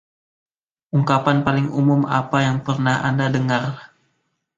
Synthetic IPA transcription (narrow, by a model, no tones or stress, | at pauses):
ʔuŋkapanpalɪŋumʊma̰pajaŋpərnaha̰ndadəŋar